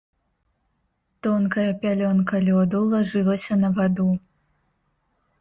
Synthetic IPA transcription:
t̪ɔnkɐjɐpʲalʲɔnkɐlʲɔd̪ulˠaʐɨlˠɐsʲɐnɐvad̪u

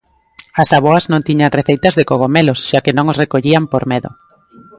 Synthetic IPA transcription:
ɐsaβ̞oaznõnt̪iɲaŋreθejt̪ɐzðekoɣomelosʃakɪnõŋosrekoʎiampoɾmeðo̰

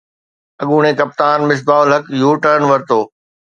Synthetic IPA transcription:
ɐɠuːɽ̃ẽkɐp̚t̪aːnmɪs̬baːʊlɦɐkjuːʈəɾənʋɐɾt̪oː

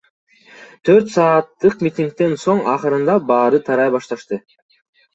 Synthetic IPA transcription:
t̪ʰø̞ɾt̪sɑːt̪ːɯq̚mit̪ʲiŋk̚t̪e̞nso̞ɴɑqɯɾɯnd̪ɑbɑːɾɯt̪ʰɑɾɑjbɑʃt̪ɑʃt̪ɯ

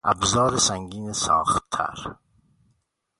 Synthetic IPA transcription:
ʔæ̰bzɒːɾesæŋɡiːnesɒ̰ːχt̪ʰːæ̰ɾ

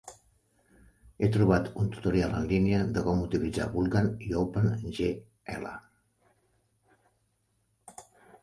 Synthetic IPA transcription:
et̪ɾuβ̞at̪unt̪u̥t̪uɾialə̰nliniəðəkɔmut̪ilid͡za̰βulˠɣaniowpənʒe | ɛ̰lə̰

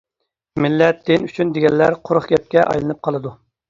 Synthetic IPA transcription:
mɪlːɛt̪̚d̪enyt͡ʃʰynd̪eɡʲɛnlːæɾqʰʊɾχɡʲɛp̚kʲɛʔɑ̰jlˠɨnɨp̚qʰɑlˠɨd̪u

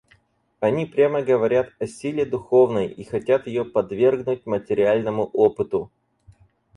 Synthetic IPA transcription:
ɐnʲipɾʲaməɡəvɐɾʲat̪ɐsʲilʲɪd̪ʊxo̞vnəjixɐtʲat̪jɪjopɐd̪vʲe̞rɡnʊt̚ʲmətʲɪɾʲɪalʲnəmʊʔopɨt̪ʊ

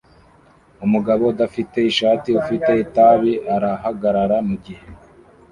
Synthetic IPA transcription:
umuɡaβo̞dafite̞iʃaːtiufite̞itaβiʔaɾaɦaɡaɾaɾamuɡihe̞

